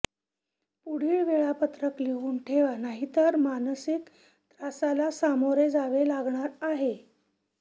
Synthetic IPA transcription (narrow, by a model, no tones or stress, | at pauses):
puɽ̤iːɭʋeɭapət̪ɾəkliʋuːnʈʰeʋanaɦit̪əɾmanəsik | t̪ɾasalasamoɾed͡zaʋelaɡɳaɾaɦe